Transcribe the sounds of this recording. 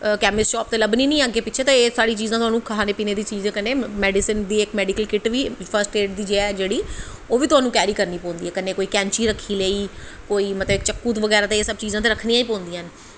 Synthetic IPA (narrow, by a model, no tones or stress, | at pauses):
kɛːmɪst͡ʃɔːp̚t̪eːləbniːnĩːaːɡeːpɪtːʃʰeːt̪ãːeːsaːɽiːt͡ʃiːzãːt̪ʊɦaːnũːkʰaaːneːpiːneːd̪iːt͡ʃiːzẽkəneːmɛːɖɪsənd̪iːɪkmɛːɖikəlkɪʈʋiːpʰəɾsʈeːʈ̚d̪iːd͡ʒeɛːd͡ʒeːɽiː | oːʋiːt̪ʊɦaːnũːkɛːɾiːkəɾniːpɔ̃ːnd̪iːɦɛːkəneːkoːiːkɛ̃ːɲt͡ʃiːɾəkʰːiːleiːkoːiːmət̪ləbkt͡ʃəkːuːt̪ʋəɡɛːɾaːt̪eeːsəb̚t͡ʃiːzãːt̪eːɾəkʰniːãːiːpɔ̃ːnd̪iːən